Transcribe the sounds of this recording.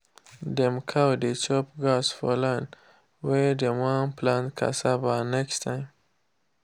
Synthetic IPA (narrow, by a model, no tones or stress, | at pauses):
d̪emkʰawd̪et͡ʃopɡɑsfolan | wedemɑmplankʰa̰sabɑnakt̪an